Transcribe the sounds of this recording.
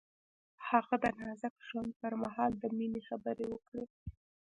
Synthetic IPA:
haɣad̪ənɑzakʒwand̪̚pəɾmaɦɑld̪əminexabəɾewəkɽe

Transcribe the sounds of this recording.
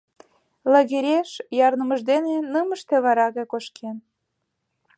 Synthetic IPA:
lɑɣeɾʲeʃjɑrnə̆məʒd̪enenəməʃt̪ĕβɑɾɑɣɑkoʃkʰen

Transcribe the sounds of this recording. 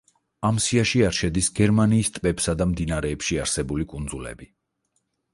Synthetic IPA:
amsiaʃiaɾʃɛd̪isɡɛɾmaniːst̪ʼbɛpsad̪amd̪inaɾɛːpʃiaɾsɛbulikʼund̪zulɛ̰bi

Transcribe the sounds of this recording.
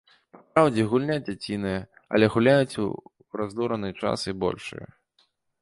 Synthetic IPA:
papɾawd͡zʲɛɣulʲnʲad͡zʲat͡sʲinɨjɐ | ɐ̰lʲɛɣulʲajut͡sʲṵ | razd̪uɾɐnɨt͡ʂa̰sibɔ̰lʲʂɨ̰jɐ̰

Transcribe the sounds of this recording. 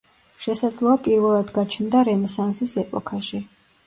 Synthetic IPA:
ʃɛsad̪zlˠɔapʼiɾvɛlˠad̪ɡat͡ʃʰnd̪aɾɛnɛsansisɛpʼɔkʰaʃi

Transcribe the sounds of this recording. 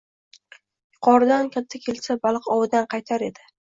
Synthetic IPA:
jʊqʰɒɾɪd̪ankʲʰat̪ʰːakʲʰe̞lsabalˠqɒwɪd̪anqʰɑjt̪ʰaɾe̞d̪ɪ

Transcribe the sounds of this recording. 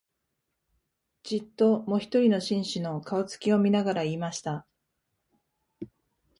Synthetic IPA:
d͡ʑit̪ːo̞moçi̥t̪o̞ɾʲino̞ɕĩɰ̃ɕino̞kaot͡sɨ̥kʲio̞mʲinaɡaɾaiːmaɕi̥t̪a

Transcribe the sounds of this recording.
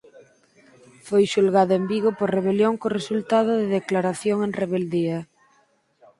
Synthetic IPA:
fojʃulɣaðʊembiɣʊpoɾreβ̞eljoŋkoresult̪að̞ʊðɪðeklaɾaθjoŋeŋreβeld̪iɐ

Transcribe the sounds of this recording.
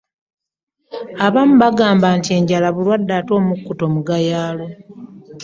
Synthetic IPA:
aβamuβaɡaːmbaːntie̞ɲɟalaβulwadːaːto̞ːmukːuto̞muɡajaːlo

